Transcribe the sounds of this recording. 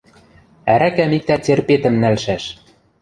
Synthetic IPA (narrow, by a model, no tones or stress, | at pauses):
æɾækæmik̚t̪æt͡serpet̪ɘ̆mnælʃæʃ